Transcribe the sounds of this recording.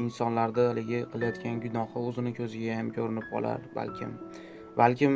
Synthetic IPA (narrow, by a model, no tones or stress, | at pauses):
ɪnsɒnlaɾd̪aalɪɡʲɪqʰɨlˠajɒt̪kʲʰanɡʲʊnɒhɪɵzɪnɪkʲʰɵzɪɡʲahamkʰʲoɾɪnɪpɒ̰lˠa̰ɾba̰lkʲʰɪ̰m | balkʲɪm